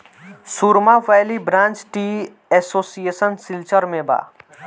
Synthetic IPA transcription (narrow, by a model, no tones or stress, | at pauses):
suɾmaʋajlibɾãːnt͡ʃʈi | ɛsoːsieːsənsɪlt͡ʃəɾmẽba̰ː